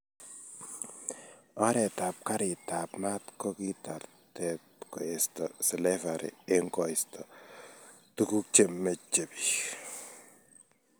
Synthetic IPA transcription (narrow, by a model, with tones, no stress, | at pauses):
ɔ˦ɾɛ˨ta˨p̚ka˦ɾɪ˨ta˨pma˦tkɔ˦ki˦ta˨ɾ | tɛ˦tkɔ˨ɛ˨stɔ˨slɛ˦fa˨ɾɪ̰˨e˦ŋkɔ˨ɪ˨stɔ˨ | tu˦ku˦k̚t͡ʃe˨mːe˨t͡ʃːe˨bi̥˨